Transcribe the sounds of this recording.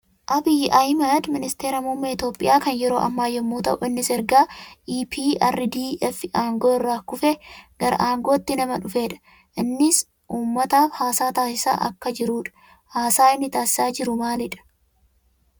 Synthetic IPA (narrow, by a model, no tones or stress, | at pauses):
ʔɐbiʔɐjmɐd̪mɪnɪst̪e̞ːɾɐmumːɐɪt̪joːpʼːɪ̰jaːkɐnjɛɾo̞ːʔɐ̰mːaːjɛmːuːt̪ɐ̰ʔʊɪnːɪsɛɾɡaːʔiːpʰiːɐrːɪd̪iːɛfʔaːŋɡo̞ːɪrːaːkʊfɛɡ̥ɐɾɐ̰ʔaːŋɡo̞ːt̪ːɪnɐmɐᶑʊfeːᶑɐ̥ | ʔɪnːɪs | ʔuːmːɐt̪aːfhaːsaːt̪aːsɪsa̰ːʔɐ̰kːɐd͡ʒɪɾuːᶑɐ̥ | haːsaːɪnːɪt̪aːsɪ̥saːd͡ʒɪɾʊmaːlɪᶑɐ̥